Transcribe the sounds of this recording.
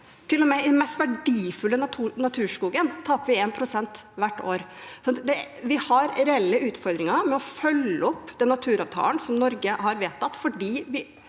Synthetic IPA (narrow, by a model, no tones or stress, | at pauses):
t̪ʰɪlːɔmɛɪd̪ɛnmɛst̪ʋæɖiːfʉlːənʰːnɑt̪ʰʉːʂkuːɡənt̪ʰɑːpəʋɪeːnpʰɾʊsɛnt̪ʋæʈːoːɾsɔnt̪d̪ɛʋɪhɑɾɾɛɛlːəʉːt̪fɔɾd̪ɾɪŋɑɾmɛɔfœlːəɔpːd̪ɛnːɑt̪ʰʉːɾɑʋt̪ʰɑ̰ːlənsɔmnɔɾɡəhɑɾʋeːt̪ʰɑt̪ːfɔɖiːʋɪ